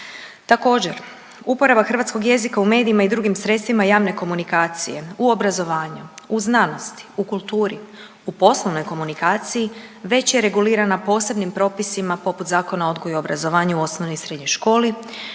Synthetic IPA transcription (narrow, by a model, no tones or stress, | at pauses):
t̪ako̞ːd͡ʑe̞ɾ | upo̞ɾabaxr̩ʋat̪sko̞ɡje̞zikaume̞ːd̪iːmaid̪ɾuɡimsɾet̪st̪ʋimajaːʋne̞ko̞munikaːt̪sije̞uo̞bɾazo̞ʋaːɲuuznano̞st̪i̥ukulˠt̪uːɾi | upo̞sloʋno̞jko̞munikaːt̪sijiʋe̞t͡ɕje̞ɾe̞ɡuliːɾanapo̞ːse̞bnimpɾo̞ːpisimapo̞put̪zaːko̞nao̞d̪ɡo̞juobɾazo̞ʋaːɲauo̞snoʋnojsɾed̪ɲojʃko̞ːli